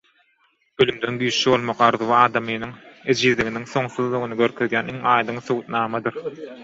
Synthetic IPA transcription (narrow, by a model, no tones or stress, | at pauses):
ølymd̪ø̞nɡyːʃːiβo̞lˠmoqɑɾðuβɑːd̪ɑmɯjnɯŋed͡ʒiːðlʲiɣiniŋθo̞ŋθuðlˠuɣunɯɡø̞ɾkʰø̞ðjæːniŋɑːjd̪ɯŋθuɣut̪nɑːmɑd̪ɯɾ